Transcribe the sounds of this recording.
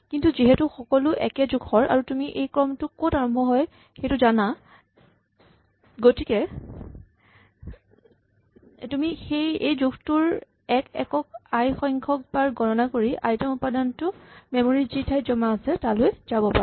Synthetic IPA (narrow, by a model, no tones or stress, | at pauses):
kintuziɦɛtʊxɔkɔlʊʔɛ̰kɛzuɡʰhɔɹʔa̰ɹutumiʔejkɹɔmtʊkotaɹɔmbʱɔɦɔj | xejtʊzana | ɡotikɛ | tumixejejzuktʊɹ | ɛkɛ̰kɔk̚ajxɔjŋkʰɔk̚baɹɡʱɔɹɔnakoɹiʔa̰jtɔmupadantʊmɛmoɹizitʰajzɔmaːsɛtalojzabɔpaɹɛ